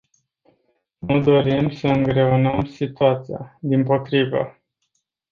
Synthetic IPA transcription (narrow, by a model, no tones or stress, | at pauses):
nud̪o̞ɾimsəɨŋɡɾe̞unəmsit̪uat̪sija̰d̪impo̞t̪ɾivə̰